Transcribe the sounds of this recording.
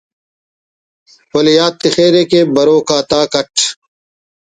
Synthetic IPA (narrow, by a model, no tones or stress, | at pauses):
wɐlijaːt̪ːixeːɾeːkeːbɐɾoːkaːt̪aːkɐʈʰ